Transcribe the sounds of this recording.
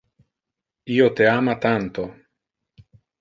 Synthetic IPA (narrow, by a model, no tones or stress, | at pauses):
iot̪eamat̪ant̪o